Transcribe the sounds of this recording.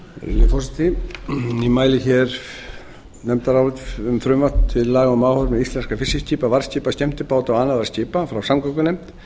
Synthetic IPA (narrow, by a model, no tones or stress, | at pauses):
ɪ̰lɪfɔsɪt̪i | imaːjlɪçɛɾ̥ | nɛmt̪aɾawvɪt̪ʏmfɾʏmvḁt̪t̪ʰɪllaːɣaʏmaːwhɔɾmɛðist̪ɛnskafɪsɪsciːpavaɾ̥sciːpasc̪ɛm̥t̪ɪpaːwt̪ɔɣaːnaðvarsciːpafɾawsamkɔkʏnejm̥t̪